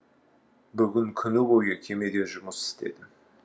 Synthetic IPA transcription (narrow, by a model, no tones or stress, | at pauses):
bʏɡʲɪŋkʲʰʏnɪbojəkʲʰe̞me̞d̪e̞ʒʊməsɪ̥st̪e̞̰d̪ɪ